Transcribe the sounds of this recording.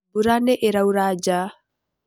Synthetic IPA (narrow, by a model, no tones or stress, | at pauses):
buɾanɛʔeɾawɾaːd͡ʒaː